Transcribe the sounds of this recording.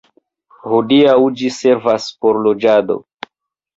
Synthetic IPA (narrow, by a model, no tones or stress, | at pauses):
hodiawd͡ʒise̞ɾvaspo̞ɾlod͡ʒado̞̰